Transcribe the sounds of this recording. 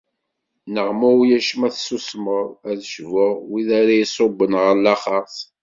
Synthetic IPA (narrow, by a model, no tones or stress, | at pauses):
nəʁmuwjæʃmæθsusməɾˤæðʃvʊʁwiðaɾajisˤobːənʁəlɑχɑs